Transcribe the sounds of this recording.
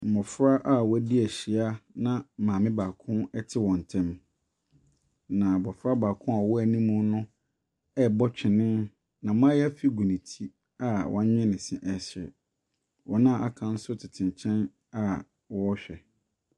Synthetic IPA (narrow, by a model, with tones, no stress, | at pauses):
m̩˨mɔ˨fɾa˦ʔa˦wɔ˦di˦æ˨ɕi˨a˦nã˦˨mãː˨mɪ̃˦baː˨kʰʊ̃˦ɛ˦tʰɪ˦wɔ̃˨n˨tʰɛ̃˦m | nã˨bɔ˨fɾa˦baː˨kʰʊ̃˦a˨wɔ˦æ˨nĩ˦mũ˦nʊ̃˦ | ɛ˦bɔ˦t͡ɕᶣʰɪ˨nɪ̃˦n | nã˨m˦ã˦jɛ˦æ˦fi˦ɡu˨nĩ˨tʰi˦ | a˦wʔɔ̃˦ɲᶣɛ̃˦nɪ̃˨sɪ̃˨ʔɛ˨ɕɛ˨ | wɔ˨nã˦˨ʔa˨kʰã˨n̩˦sʊ˦tʰɪ˨tʰɪ̃˨n˨t͡ɕʰɛ̃˦n | a˦ | wɔ˦ɕᶣɛ˨